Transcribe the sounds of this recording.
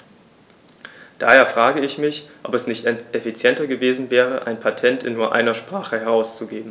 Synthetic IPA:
d̥a̰ːheːɐfʁ̥aːɡəɪçmɪçʔɔpɛsnɪçtɛefit͡sjɛntɐɡəveːzn̩vɛːʁ̞əʔaɪnpʰatʰɛntɪnːuːɐʔa̰ɪnɐʃpʁ̥aːχəhɛɐʁ̞aʊst͡suɡeːbm̩

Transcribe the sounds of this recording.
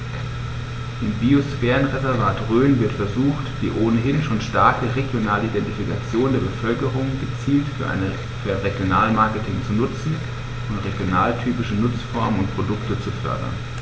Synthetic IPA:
ʔɪmbiosfɛːʁənʁezɛɐvaːtʁøːnvɪɐtfɛɐzuːxtv̥ḭːʔoːnəɦɪnʃoːnʃtaɐkəʁeɡjonaːləʔidɛntifikat͡sjoːndeːɐbəfœlkəʁʊŋɡ̥ət͡siːltfyːɐʔa̰n | fyːɐaʁeɡjonaːlmaɐkətʰɪŋt͡sunʊt͡sn̩ | ʔʊntʁeɡjonaːltʰyːpɪʃənʊt͡sfɔɐmənʊntpʁ̥odʊktət͡sufœ̰ɐdɐ̰n

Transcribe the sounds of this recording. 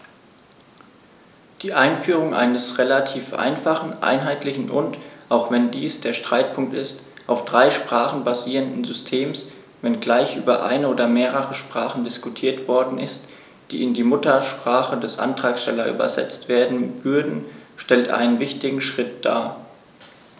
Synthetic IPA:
d̥iːʔaɪnfyːʁ̞ʊŋʔa̰ɪnəsʁelatʰiːfʔa̰ɪnfaχn̩ʔa̰ɪnɦaɪtlɪçn̩ʔʊ̰ntʔaʊxv̥ɛndiːsd̥eːɐʃtʁ̥aɪt̚pʰʊŋk̚tɪst | ʔaʊfd̥ʁaɪʃpʁ̥aːχn̩baziːʁəndn̩zʏstʰeːms | vɛnɡlaɪçʔy̰ːbɐʔa̰ɪnəoːdɐmeːʁəʁəʃpʁ̥aːχn̩dɪskutʰiːɐtv̥ɔɐdn̩ɪst | d̥ḭːɪndiːmʊtɐʃpʁ̥aːχədɛsʔa̰ntʁ̥aːksʃtɛlɐʔy̰ːbɐ̰zɛ̰t͡stv̥eːɐdn̩vʏɐdn̩ʃtɛltʔa̰ɪnənvɪçtɪɡŋ̩ʃʁ̥ɪt̚d̥a̰ː

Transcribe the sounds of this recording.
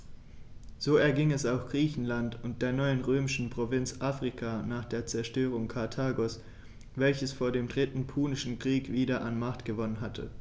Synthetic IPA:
z̥oːɛɐɡɪŋɛsaʊxɡ̥ʁ̥iːçn̩lantʊnt̚d̥eːɐnɔʏənʁøːmɪʃn̩pʁ̥ovɪnt͡sʔaːfʁ̥ikʰanaːχd̥eːɐt͡sɛɐʃtøːʁ̞ʊŋkʰaɐtʰaːɡos | vɛlçəsfoːɐdeːmdʁɪtn̩pʰuːnɪʃn̩kʁ̥iːkv̥iːdɐʔanmaχtɡ̥əvɔnənɦatʰə̰

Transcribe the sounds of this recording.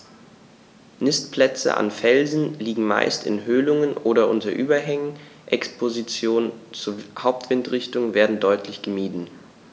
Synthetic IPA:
nɪstpʰlɛt͡sə̰ʔa̰nfɛlzn̩liːɡŋ̩ma̰ɪstɪ̰nɦøːlʊŋənʔoːɾɐʔʊntɐʔyːbɐɦɛŋən | ʔɛkspʰozit͡sjoːnənt͡suːɐhaʊp̚tv̥ɪntʁ̥ɪçtʊŋveːɐdn̩dɔʏtʰlɪçɡ̥əmiːdn̩

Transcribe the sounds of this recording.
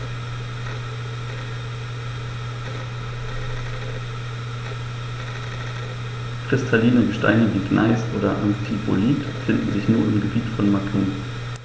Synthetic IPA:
kʁ̥ɪstʰaliːnəɡəʃta̰ɪnəviːɡnʔa̰ɪsʔoːɾɐʔanfipo̰liːt | fɪndn̩zɪçnuːɐɪmɡəbiːtfɔnmakʰuː

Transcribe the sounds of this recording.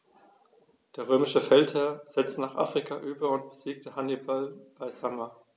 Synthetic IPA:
d̥eːɐʁ̞øːmɪʃəfɛlthɛːɐz̥ɛt͡stnaːχʔa̰ːfʁ̥ikʰaʔyːbɐʊnt̚b̥əziːk̚təhanibalb̥aɪzama

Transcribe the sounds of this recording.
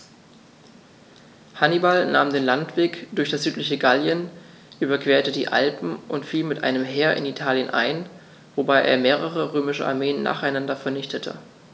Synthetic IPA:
hanibalna̰ːmdeːnlantv̥eːkd̥ʊɐçd̥asz̥yːtlɪçəɡaljən | ʔyːbɐkv̥eːɐtədḭːʔa̰lpm̩ʔʊntfiːlmɪtʔa̰ɪnəmɦeːɐʔɪ̰nitʰaːljənʔa̰ɪn | v̥obaɪʔḛːɐmeːʁ̞əʁ̞əʁøːmɪʃəʔa̰ɐmeːənːa̰ːχaɪnandɐfɛɐnɪçtətʰə̰

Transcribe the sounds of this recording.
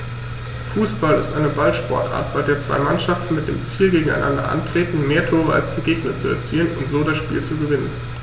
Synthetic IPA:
fuːsb̥alɪ̰stʔaɪnəbalʃpɔɐtʔa̰ːɐtb̥aɪdeːɐt͡sv̥a̰ɪmanʃaftn̩mɪt̚d̥ḛːmt͡siːlɡeːɡŋ̩a̰ɪnʔa̰ndɐ̰ʔa̰ntʁ̥eːtn̩meːɐtʰoːʁ̞əa̰lsd̥iɐɡeːɡnət͡suɛ̰ɐt͡siːənʊ̰ntz̥oːɾasʃpiːlt͡suɡəvɪnən

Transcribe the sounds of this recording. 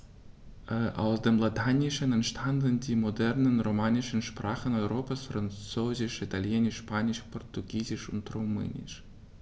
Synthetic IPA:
ʔʔa̰ʊsd̥eːmlatʰanɪʃənɛntʃtʰandəndiːmodɛʁnənʁomaːnɪʃənʃpr̥aːχənɔʏʁoːpasfrant͡søːzɪʃitʰaljɛnɪʃpʰaːnɪʃpɔʁtuɡiːzɪʃʊ̰ntʁumɛ̰ːnɪ̰ʃ

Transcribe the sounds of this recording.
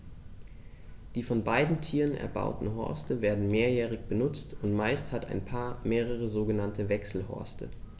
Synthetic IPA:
d̥iːfɔnbaɪdn̩tʰiːʁənɛ̰ɐba̰ʊtn̩ɦɔ̰ɐstəveːɐdn̩meːɐjɛːʁ̞ɪçb̥ənʊt͡stʊntmaɪsthata̰ɪnpʰaːɐmeːʁ̞əʁ̞əzoːɡənantʰəvɛksl̩hɔ̰ɐstʰə̰

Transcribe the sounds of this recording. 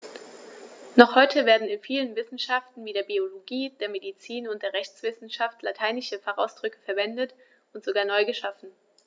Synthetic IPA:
nɔχhɔʏtʰəveːɐdn̩ɪnfiːlənvɪsn̩ʃaftn̩viːdeːɐbioloɡiːdeːɐmedit͡siːnʊntd̥eːɐʁɛçt͡sv̥ɪsn̩ʃaftlatʰaɪnɪʃəfaχa̰ʊsd̥ʁʏkə̥fɛɐvɛndət | ʊntz̥oɡaːɐnɔʏɡəʃafn̩

